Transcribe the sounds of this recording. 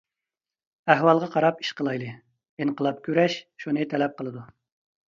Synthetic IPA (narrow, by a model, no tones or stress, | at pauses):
æɦwɑlˠʁɑqʰɑɾɑpi̥ʃqəlˠɑjlˠɨ | inqəlˠɑp̚kʲʰøɾɛʃʃunɨt̪ʰɛlɛp̚qəlˠɨd̪u